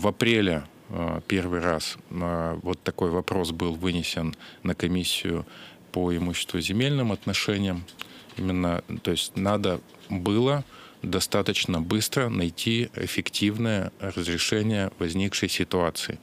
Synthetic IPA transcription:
vɐpɾʲelʲɪ | pʲervɨjɾas | vo̞t̪ːɐko̞jvɐpɾo̞sbɨlˠvɨnʲɪsʲɪnːəkɐmʲisʲːɪjʊ | pəɪmuɕːɪ̥st̪vʊzʲɪmʲelʲnɨmɐt̪nɐʂɛnʲɪjəmimʲɪnːət̪o̞ɪsʲtʲnad̪ə | bɨlˠə | d̪ɐst̪at̪ət͡ɕnəbɨst̪ɾənɐjtʲʰiɪ̰fʲɪktʲivnəjərəzɾʲɪʂɛnʲɪjəvɐzʲnʲikʂəjsʲɪt̪ʊat̪sɨ̰ɪ̰

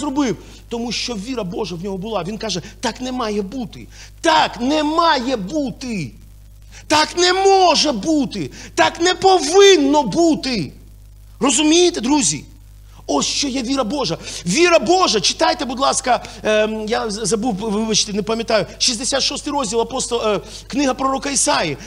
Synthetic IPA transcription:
ɾɔbɪw | t̪ɔmuʃt͡ʃɔʋʲiɾɐbɔʒɐwnʲɔɦɔbʊlˠaʋʲinkaʒɛt̪ɑknɛmɑjɛbut̪ɪ̰ | t̪aknɛmɑjɛbut̪ɪ | t̪aknɛmɔʒɛbut̪ɪt̪aknɛpɔʋɪnːɔbut̪ɪ | rɔzʊmʲijɪt̪ɛd̪ɾuzʲḭ | ɔsʃt͡ʃɔjɛʋʲiɾɐbɔʒɐʋʲiɾɐboʒɐt͡ʃɪ̥t̪ajt̪ɛbʊd̪lˠɑskɐ | jazɐbuʋɪbɐt͡ʃt̪ɪnɛpɐmʲjɐt̪ajʊʃizʲd̪esʲat̪ʃɔst̪ɪjɾɔzʲdʲilˠɐpɔst̪ | knɪɦɐpɾɔɾɔkɐisaji

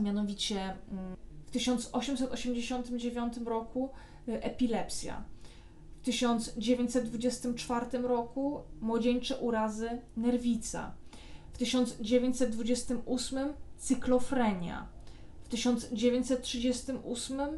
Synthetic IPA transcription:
mʲjanɔvʲit͡ɕɛ | ft̪ɘɕɔnt̪sɔɕɛmsɛt̪ɔɕɛmd͡ʑeɕɔnt̪ɘmd͡ʑevʲjɔnt̪ɘmɾɔku | ʔɛpʲilɛpsʲja̰ | ft̪ɘɕɔnt̪zd͡ʑevʲeɲt͡ɕʲsɛd̪̚d̪vud͡ʑɛst̪ɘmt͡ʂfaɾt̪ɘmɾɔkumwɔd͡ʑeɲt͡ʂɛʔuɾazɘnɛɾvʲit̪sa̰ | ft̪ɘɕɔnd̪zd͡ʑevʲeɲt͡ɕsɛt̪̚d̪vud͡ʑɛst̪ɘmusmɘmt̪sɘklɔfɾɛɲja̰ | ft̪ɘɕɔnt̪zd͡ʑevʲjeɲt͡ɕʲsɛt̪̚tːʂɘd͡ʑɛst̪ɘmusmɘm

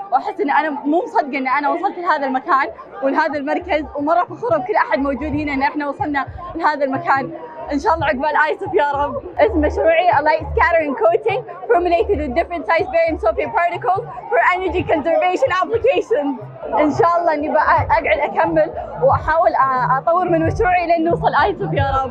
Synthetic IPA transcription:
wʔaħɪsːʔɪnːʔanamuːmsˤɑd̪ɡɑʔɪnːʔanawɑsˤɑlt̪lhaːðalmakaːn | wɪlɦaːðalmɑɾˤkazwmɑrˤːɑfaxʊɾˤʊb̚kʊlːʔaħad̪̚mowd͡ʒuːd̪hɪnaʔɪnːʔɪħnawɑsˤɑlnalɪhaːðalmakaːnʔɪnʃaːʔlˤːɑːʕaɡbaːlʔaːjsʊfjɑːɾˤɑbʔɪsmːaʃɾuːʕiʔalajskaɾəɾɪŋkoːt̪ɪŋ | foɾmɪleːt̪ɪd̪ɪd̪ɪfɾəntsajzbeːɾɪmsoːfipɑːɾt̪ɪkəlfɔɾʔɛnəɾd͡ʒikɔnsəɾveːʃɪnʔablɪkeːʃɪnz | ʔɪnʃaːʔɑlˤːɑːʔɪnːibaʔʔaɡʕɪd̪ʔakamːɪlwʔaħaːwɪlʔɑt̪ˤɑwːɨɾmɪnmaʃɾuːʕiʔɪlnːuːsˤɑlʔaːjsʊfjaːɾˤɑb

